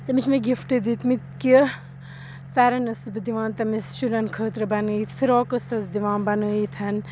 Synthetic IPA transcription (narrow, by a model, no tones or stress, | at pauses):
t̪ɐmit͡ʃʰmeɡifʈed̪it̪mit̪ki | fɛɾɐnɐsbɨd̪iʋãːnt̪ɐmisʃuɾɐnkʰəːt̪ɾɐbɐnəit̪ʰfʰiɾoːkəsɐsd̪iʋãːnbɐnəːit̪ʰɐn